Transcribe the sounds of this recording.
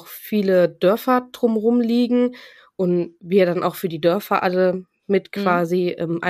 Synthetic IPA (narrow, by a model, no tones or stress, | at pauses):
xfiːlədœɐfɐd̥ʁʊmʁʊmliːɡŋ̩ | ʔʊntviːɐdanʔa̰ʊxfyːɐdiːdœɐfɐʔalə | mɪtkv̥aːziʔɛ̰mʔa̰